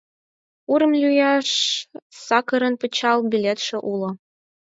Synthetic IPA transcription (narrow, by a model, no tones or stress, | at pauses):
uɾɤ̆mlʲyjɑʂsɑkɤ̆ɾɤ̆npɤ̆t͡ɕɑlˠbʲilʲet̪ʂɘ̆ʔulˠɤ̆